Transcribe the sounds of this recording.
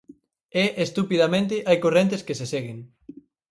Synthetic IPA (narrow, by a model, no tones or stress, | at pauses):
eʔest̪upiðamẽnt̪̬ɪʔajkorent̪eskeseseɣeŋ